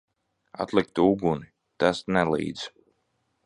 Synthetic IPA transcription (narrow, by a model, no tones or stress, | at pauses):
a̰t̪lˠikt̪uɡuni | t̪asnɛlˠḭːd̪z̥